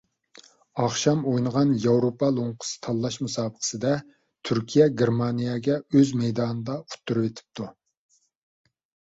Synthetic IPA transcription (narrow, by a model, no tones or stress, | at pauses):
ɑχʃɑmojnəʁɑnjɑwɾopʰɑlˠoŋqʰʊ̥sɨ̥t̪ʰɑlˠːɑʃmusɑːbəqʰə̥sɨd̪ɛ | t̪ʰyɾkʲʰijɛɡʲeɾmɑnijɛɡʲɛøzmɛjd̪ɑːnɨd̪ɑu̥t̪ʰːuɾuvet̪ʰɪ̥p̚t̪ʰu